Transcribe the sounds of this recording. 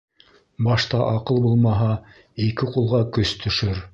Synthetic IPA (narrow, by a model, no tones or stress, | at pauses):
bɑʃt̪ɑʔɑqɤlˠbulˠmɑɦɑ | ikɘqulˠʁɑkɵst̪ʰɵ̆ʃɵɾ